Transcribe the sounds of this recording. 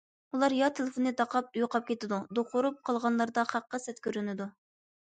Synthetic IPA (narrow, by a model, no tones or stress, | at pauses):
ulˠɑɾjɑt̪ʰelɪfonːɨd̪ɑqʰɑp̚ujuqʰɑp̚kʲet̪ɪd̪ud̪oχʊɾup̚qʰɑlˠʁɑnlˠɑɾd̪ɑχæqːɑsɛt̪kʲøɾynɪd̪u